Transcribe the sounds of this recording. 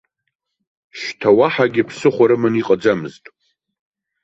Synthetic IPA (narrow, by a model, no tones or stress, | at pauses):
ʃtʰawaħaɡʲɪpʰsɨχʷaɾɨmɨniqʼad͡ʒamɨztʼ